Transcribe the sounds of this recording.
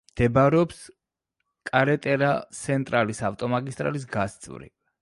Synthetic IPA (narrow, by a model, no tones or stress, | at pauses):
md̪̥ʰɛbaɾɛɔps | kʼaɾɛt̪ʼɛɾasʰɛnt̪ʼɾalisaft̪ʼɔmaɡist̪ʼɾa̰lis̬ɡast̪sʼvɾḭ